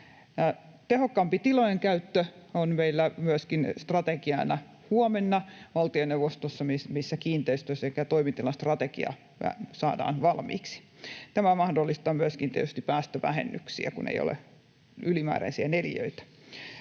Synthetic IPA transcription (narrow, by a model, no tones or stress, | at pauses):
jɑ | t̪ehokːɑmpit̪ilojeŋkæyt̪ːø | onmeilːæmyæskinst̪rɑt̪ekiɑnɑ | huomenːɑʋɑlt̪ionewʋːost̪osːɑmimisːækiːnt̪eist̪øssekːæt̪oimint̪ilːɑst̪rɑt̪ekḭɑ̰ | ʋæ̰sɑ̰ːdɑ̰ːnʋɑlmḭːksi̥ | t̪æmæmɑhdolːist̪ɑːmyæskint̪ḭɛ̰t̪yst̪ipæːst̪øʋæ̰hḛnːyksḭæ̰kṵnḛjo̰lḛ | ylimæ̰ːɾæ̰nsiæneljø̰it̪æ̥